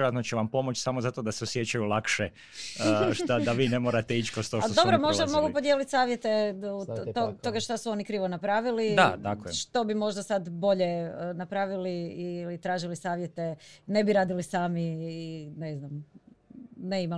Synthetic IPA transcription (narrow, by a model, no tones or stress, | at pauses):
ɾat̪not͡ɕeʋampo̞mot͡ʃsamozat̪o̞d̪aseosjet͡ɕajulˠakʃe | ʃt̪ad̪aʋiːne̞moːɾat̪eit͡ʃkost̪oʃodobɾomo̞ʒd̪amo̞ɡupo̞d̪jeːlit̪saːʋjet̪eut̪ot̪o̞ɡaʃt̪asuo̞nikɾiːʋo̞napɾaʋilid̪at̪akojeʃt̪o̞bimo̞ʒd̪asad̪bo̞ʎenapɾaʋiliilit̪ɾaːʒilisaːʋjet̪ene̞biɾaːd̪ilisaːmiː | neznam | neima